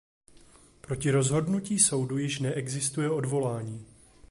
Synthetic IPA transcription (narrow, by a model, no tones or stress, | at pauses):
pɾo̞cɪɾo̞zɦo̞dnuciːso̞wdujɪʃnɛʔɛɡzɪst̪ujɛo̞dvo̞laːɲiː